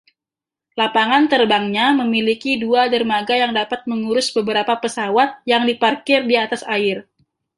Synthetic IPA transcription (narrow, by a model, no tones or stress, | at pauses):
lapaŋant̪ərbaŋɲaməmilikiduadərmaɡajaŋdapat̪̚məŋuɾʊsbəbəɾapapəsawat̪̚jaŋdiparkɪrdiat̪asaɪr